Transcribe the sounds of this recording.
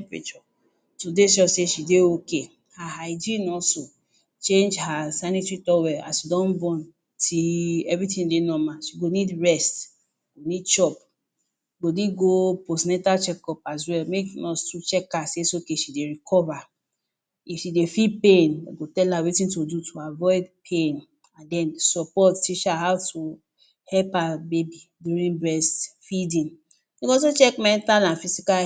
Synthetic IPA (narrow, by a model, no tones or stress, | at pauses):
pɾḛt͡ʃɔ | todeʃɔseʃideoke | haɦaɪd͡ʒĩnɔlso | t͡ʃẽnd͡ʒhasanitɹitɔwɛa̰sidɔ̃nbɔ̃n | tʰiɛvɾitĩndenɔmaʃiɡonidɹɛst | ɡonidʃɔp | ɡodeɡoposnɛtat͡ʃɛkɔpaswɛlmekunɔstut͡ʃɛkːasesookeʃideɹikʰɔva | ifʃidefid̚pẽnaɡotɛlawetĩntodutʰuavɔɪdpʰẽn | ãndɛ̃nsɔpɔtːiʃaɦawtʰu | hɛlpabebiduɾĩnbɹɛstfidĩn | iɡõsot͡ʃɛkmɛ̃ntãnãfisika